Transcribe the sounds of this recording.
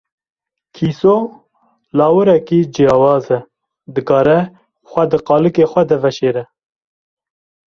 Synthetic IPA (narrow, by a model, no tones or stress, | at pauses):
kʰiːso | lɑːwɨɾɛkiːd͡ʒijɑːwɑːzɛ | d̪ɨkɑːɾɛ | xʷɛd̪ɨqɑːlɨkexʷɛd̪ɛvɛʃeːɾɛ